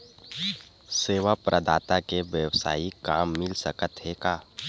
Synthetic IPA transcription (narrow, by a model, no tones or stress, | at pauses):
seːʋapɾʔəd̪aːt̪akeʋjəwsa̰ːikaːmːɪlsəkət̪ɦekaː